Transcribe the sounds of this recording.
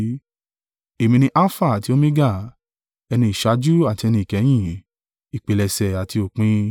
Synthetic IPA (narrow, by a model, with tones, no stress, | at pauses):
e˨mĩ˧nĩ˧ʔa˦fa˦˨a˨ti˨˦o˦mĩ˦ɡa˦˨ | ɛ˧nĩ˧i˨ʃa˨˧˦d͡ʒu˦a˦˨ti˧ɛ˧nĩ˧i˨kɛ˨˦j̃ĩ˦˨ | i˨k͡pe˨lɛ˧sɛ˨a˨ti˧o˨k͡pĩ˧˦